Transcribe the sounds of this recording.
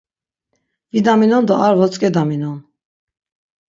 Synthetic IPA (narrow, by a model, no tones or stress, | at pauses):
vid̪aminɔnd̪ɔʔaɾvɔt͡sʼkʼɛd̪aminɔn